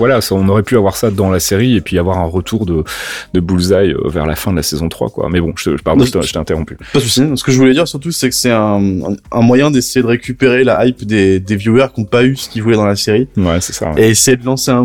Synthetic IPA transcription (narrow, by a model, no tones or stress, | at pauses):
vwalasaɔ̃nɔʁɛpyavwaʁsad̪ɑ̃laseʁiepɥiavwaʁɛ̃ʁət̪ʰuʁd̪əd̪əbulzajø̰vɛ̰ʁla̰fɛ̃d̪əlasɛzɔ̃t̪χwa̰kwa̰mɛbɔ̃ʒə̥t̪əʒəpaʁd̪ət̪ʒət̪ɛ̃t̪eʁɔ̃pypat̪ysisə̥kəʒəvulɛd̪iʁsyʁt̪usɛkə̥sɛɛ̃ː | mwajɛ̃d̪esejed̪əʁekʲypeʁelaʔːjpd̪ed̪evjuɛʁkɔ̃paysə̥kʲivulɛd̪ɑ̃laseʁiwɛsɛ̥sa̰eːsejed̪əlɑ̃seɛ̃